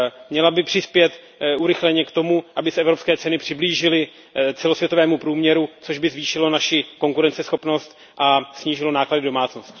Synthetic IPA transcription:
mɲɛlabɪpr̝̥ɪspjɛt̪ | ʔuɾɪxlɛɲɛkt̪o̞muʔabɪsɛʔɛvɾo̞pskɛːt͡sɛnɪpr̝̥ɪbliːʒɪlɪ | t͡sɛlosvjɛt̪o̞vɛːmupɾuːmɲɛɾut͡soʒbɪzviːʃɪlo̞naʃɪko̞ŋkuɾɛnt͡sɛsxo̞pno̞st̪ | ʔasɲiːʒɪlo̞naːkladɪdo̞maːt͡sno̞st̪

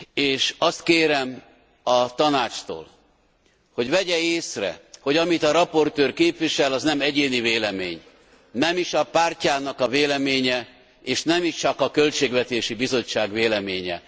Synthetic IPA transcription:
eːʃɒst̪keːɾɛm | ɒt̪ɒnaːt͡ʃt̪o̰ːl | ho̞ɟvɛɟɛeːsrɛ̰ho̞ɟɒmit̪ɒɾɒpo̞rt̪øːrkeːpvʋiʃɛlɒznɛmɛɟeːniveːlɛmḛːɲ | nɛmiʃɒpaːrcaːnɒkɒveːlɛmeːɲɛ | eːʃnɛmiʃt͡ʃɒkɒkølt͡ʃeːɡvɛt̪eːʃibizo̞t͡ʃːaːɡveːlɛmeːɲɛ̰

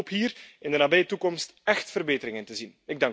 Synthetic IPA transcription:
pɦiːrɪndənaːbɛjətukɔmstɛxtfərbeːtəɾɪŋəntəzinɪɡ̚dɑŋ

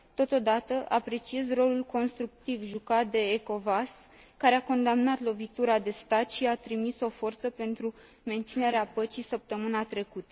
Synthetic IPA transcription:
t̪o̞t̪o̞d̪at̪əʔapɾe̞t͡ʃie̞zro̞lulko̞nst̪ɾuk̚t̪ivʒukat̪̚d̪e̞ːko̞vaskaɾeako̞nd̪amnat̪lo̞vit̪uɾad̪e̞st̪at̪ʃiat̪ɾimiso̞fo̞rt̪səpe̞nt̪ɾu | me̞nt̪sine̞ɾeapət͡ʃisəp̚t̪əmɨnat̪ɾe̞kut̪ə̥

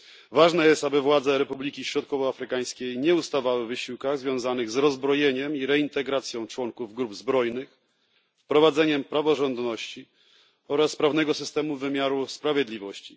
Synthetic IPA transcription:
vaʐnɛjɛst̪abɘvwad̪zɛɾɛpublʲikʲiɕɾɔt̪̚kɔvɔafɾɘkaj̃skʲejɲɛust̪avawɘvɘɕiwkaɣzvʲjɔ̃w̃zanɘɣzɾɔzbɾɔjeɲɛmiɾɛint̪ɛɡɾat̪sʲjɔ̃w̃t͡ʂwɔŋkuvɡɾubzbɾɔjnɘx | fpɾɔvad̪zɛɲɛmpɾavɔʐɔnd̪nɔɕt͡ɕi | ɔɾaspɾavnɛɡɔsɘ̥st̪ɛmuvɘmʲjaɾuspɾavʲjɛd̪lʲivɔɕt͡ɕi̥

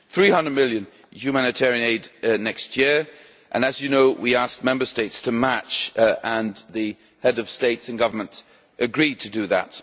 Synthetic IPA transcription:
θɹihʌ̃ndəd̚mɪlˠjɨ̃n | hʉmænɨtʰɛɹiɨ̃neɪdⁿnɛkst̚jɪɹ | ʔɨ̃nɨzjɨnoʊwiæsk̚mɛ̃mbə˞steɪtstʰɨmæt͡ʃə̃nðɨ | hɛɾʌv̥steɪtsɨ̃nɡʌvə˞mə̃nt | ʔɨɡɹid̚tʰɨdɨðə̰t̚

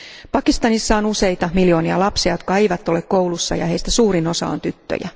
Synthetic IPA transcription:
pɑkist̪ɑnisːɑonuse̞jt̪ɑmiljo̞ːniɑ̰lɑpsiɑjo̞t̪̚kɑe̞jʋæt̪ːˑole̞kkowlusːɑ̰jɑ̰he̞ist̪æsuːɾino̞sɑ̰o̰nt̪yt̪ːø̰jæ̰

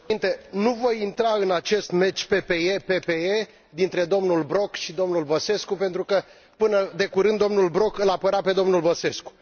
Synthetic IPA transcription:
int̪e̞nuvo̞jint̪ɾaɨnat͡ʃe̞st̪me̞t͡ʃpe̞pe̞epe̞pee | d̪int̪ɾe̞d̪o̞mnulbɾo̞kʃid̪o̞mnulbəse̞skupe̞nt̪ɾukə | pɨnəd̪e̞kuɾɨnd̪ːo̞mnulbɾo̞kɨlapəɾape̞d̪omnulbəse̞sku̥

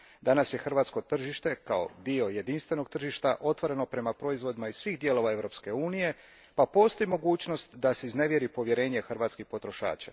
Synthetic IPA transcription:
d̪anasje̞xr̩ʋaːt̪sko̞t̪r̩ʒiʃt̪e̞kao̞̰d̪io̞je̞d̪inst̪ʋe̞no̞ɡ̚t̪r̩ʒiʃt̪aʔo̞t̪ʋo̞ɾe̞no̞pɾe̞mapɾo̞izʋo̞d̪imaisʋixd̪je̞lo̞ʋae̞ʋɾo̞pske̞uːnije̞ | papo̞ːst̪o̞imo̞ɡuːt͡ɕno̞st̪d̪aseizne̞ʋje̞ɾipo̞ʋje̞ɾe̞ːɲexrɾʋaːt̪skixpo̞t̪ɾo̞ʃa̰ːt͡ʃa

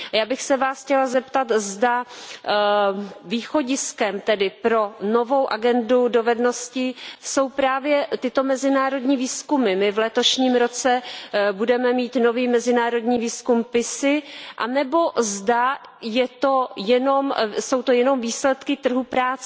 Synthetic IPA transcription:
jaːbɪxsɛvaːsxcɛlazɛpt̪at̪zda | viːxo̞ɟɪskɛmt̪ɛdɪpɾo̞no̞vo̞wʔaɡɛndudo̞vɛdno̞scɪso̞wpɾaːvjɛt̪ɪt̪o̞mɛzɪnaːɾo̞dɲiːviːskumɪmɪvlɛt̪o̞ʃɲiːmɾo̞t͡sɛbudɛmɛmiːt̪no̞viːmɛzɪnaːɾo̞dɲiːviːskumpɪsɪʔanɛbo̞zdajɛt̪o̞jɛno̞mso̞wt̪o̞jɛno̞mviːslɛt̪kɪt̪r̩ɦupɾaːt͡sɛ

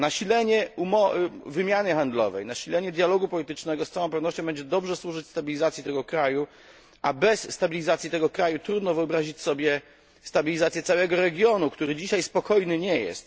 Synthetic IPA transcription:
naɕilɛɲɛumɔvɘmʲjanɘxand̪lɔ̰vɛ̰jnaɕilɛɲɛd̪ʲjalɔɡupɔlʲit̪ɘt͡ʂnɛɡɔst̪sawɔ̃pɛvnɔɕt͡ɕɔ̃bɛɲd͡ʑɛd̪ɔbʐɛswuʐɘt͡ɕst̪abʲilʲizat̪sʲit̪ɛɡɔkɾaju | ʔabɛsːt̪abʲilʲizat̪sʲjit̪ɛɡɔkɾajut̪ɾud̪nɔvɘɔbɾaʑit͡ɕʲsɔbʲjɛ | st̪abʲilʲizat̪sʲjɛt̪sawɛɡɔɾɛɡʲjɔnukt̪uɾɘd͡ʑiɕajspɔkɔjnɘɲɛjɛ̰st̪

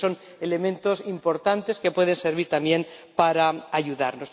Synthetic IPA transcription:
o̞n | e̞le̞mẽnt̪osimpo̞ɾt̪ant̪e̞ske̞pwe̞ðe̞nse̞ɾβ̞iɾt̪amje̞npaɾaaʝuðaɾno̞s

